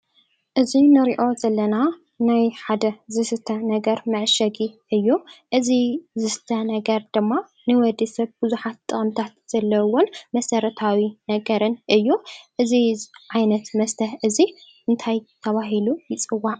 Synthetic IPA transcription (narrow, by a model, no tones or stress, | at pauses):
ʔɨzinɨɾiʔo̞zɐlːɐna | najħad̪ɐzɨsɨt̪ʰɐnɐɡɐɾmɐʕʃɐɡiʔɨjːuʔɨzizɨst̪ʰɐnɐɡɐɾd̪ɨmːa | nɨwɔd̪isɐβbɨzuħat̪ʼːɨχʼɨmt̪ʰat̪z̥ɐlːɐwɔnmɐsɐɾɐt̪ʰawinɐɡɐɾɨnʔɨjːuʔɨziʕajnɐt̪mɐst̪ʰɐħʔɨziʔɨnt̪ʰajt̪ʰɐβaɦilujɪt͡sʼɨwːaʕ